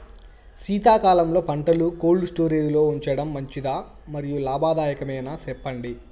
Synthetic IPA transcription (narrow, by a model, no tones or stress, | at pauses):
siːt̪aːkaːlɐmlo̞ːpɐɳʈɐlukoːɭɖsʈoːɾeːjulo̞ːuɲt͡ʃɐɽɐmːɐɲt͡ʃid̪aː | mɐɾijulaːbʱaːd̪aːjɐkɐmɐjnasɛpːɐɳɖi